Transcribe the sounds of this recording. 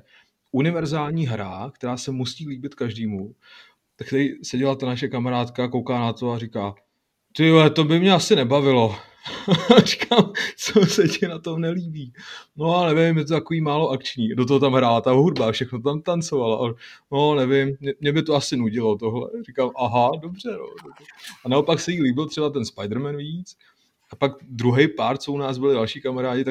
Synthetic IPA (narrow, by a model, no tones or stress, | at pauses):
ʔunɪvɛɾzaːlɲiːɦɾa̰kt̪ɛɾaːsɛmusiːliːbɪt̪kaʒdiːmu | t̪akt̪ɛɾiːsɛɟɛlat̪anaʃɛkamaɾaːt̪kako̞wkaːnat̪oaɾɪkaː | t̪ɪlɛt̪obɪmɲɛasɪnɛbavɪlo̞ | rɪ̥kamt͡sosɛcɪnat̪omnɛliːbiːnoanɛvɪmjɛt̪̬ot̪akoviːmaːlo̞ʔakt͡ʃɲiːdot̪̬oɦot̪amɦɾaːlat̪aoɦud̚bafʃɛxnot̪ot̪amt̪ant͡sovalaʔanonɛvɪmːɲɛmɲɛbɪt̪oasɪnuɟɪlo̞t̪oɦlɛ̰rikamʔaɦadobr̝ɛno̰dobrɛanaopaksɛjiːliːbɪlt̪r̥ɛbat̪ɛnspajdɾ̩mɛnviːt͡s | apaɡd̪ɾuɦɛjpaɾt͡sounaːzbɪlɪdalʃiːkamaɾaːɟɪt̪a